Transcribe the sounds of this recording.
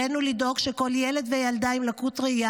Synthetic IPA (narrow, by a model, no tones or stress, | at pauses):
enulido̞ɡʃeko̞ljele̞d̪vejald̪aimlakutʁeia